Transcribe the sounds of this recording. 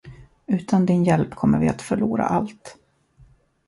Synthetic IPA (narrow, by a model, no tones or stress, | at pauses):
ʉ̟ːt̪ʰand̪ɪnjɛlpkʰɔmːəvɪat̪fœɭuːɾa̰ʔalt̪